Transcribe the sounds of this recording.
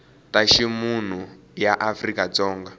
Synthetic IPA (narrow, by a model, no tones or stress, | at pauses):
taʃimun̤u | jaʔafrikat͡sɔːŋɡa